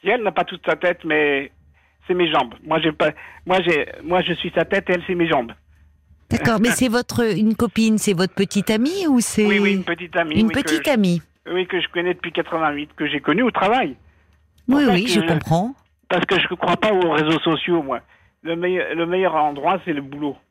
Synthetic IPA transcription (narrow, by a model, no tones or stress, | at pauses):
iɛlnapat̪ut̪sat̪ɛt̪mɛ | sɛmeʒɑ̃bmwaʒɛpamwaʒɛmwaʒəsɥisat̪ɛt̪eɛlsɛmeʒɑ̃b | d̪̥akɔʁmɛsɛvɔt̪χəynkɔpinsɛvɔt̪χəpət̪it̪amiusɛinpət̪it̪amiynpək̪it̪ami | wikəʒəkɔnɛd̪əpɥikat̪χəvɛ̃ɥit̪kəʒekɔnyut̪χavaj | wiwiʒəkɔ̃pχɑ̃ | paʁsə̥kəʒəkχwapaoʁezosɔsjomwa | ləmɛjləmɛjœʁɑ̃d̪ʁwasɛləbulo